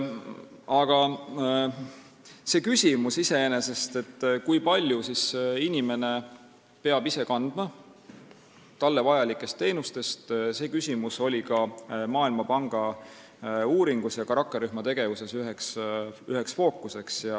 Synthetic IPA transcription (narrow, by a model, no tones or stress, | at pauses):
ɑɡ̥ɑ | se̞ːkysʲimusise̞ene̞se̞st̪e̞t̪ːkujpɑlʲjusisinime̞ne̞ | pe̞ɑb̥ise̞kɑnd̪̥mɑ | t̪ɑlːe̞vɑjɑlikːˑe̞st̪ːe̞jnust̪e̞st̪se̞ːkysʲimuso̞lʲikɑmɑːilmɑpɑŋɡ̥ɑ | uːɾiŋɡ̥usjɑkɑɾɑkːeɾyhmɑt̪e̞ɡ̥e̞vuse̞syɦeksyɦeksfo̞ːkˑːuse̞ksjɑ